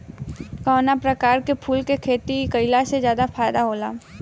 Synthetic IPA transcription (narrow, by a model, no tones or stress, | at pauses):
kɔːnapɾəkaːɾkepʰuːlkekʰeːt̪ikəɪlasezjaːd̪afʰaːjd̪aɦoːla̰ː